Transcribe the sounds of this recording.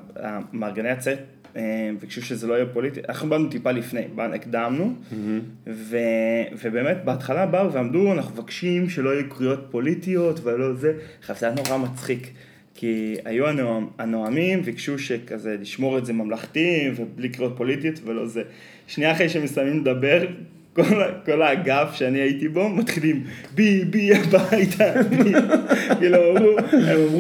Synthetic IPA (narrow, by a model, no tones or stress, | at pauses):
a̰maʁɡeneat͡set̚ | emvekʃuʃezelo̞ajapo̞litia̰naχnubadnutipalifnejbaikdamnu | ve̞ve̞be̞ːme̞tbeatχalabauveamduanaχnuvakʃimʃe̞lo̞ajukʁio̞t̚po̞litio̞tvelo̞ze̞χavt̪eatnoʁamat͡sχik | kʰːia̰juanoamanoamimveikʃuʃe̞kaze̞liʃmo̞ʁezemamlaχt̪imveblikʁio̞t̚po̞litio̞tvelo̞̰ze | ʃniaχeiʃeemesamimled̪abe̞ʁ | kolako̞laɡafʃeaniaitibo̞mat̪χilimbibiabajt̪ʰa | kiluamʁuemamʁu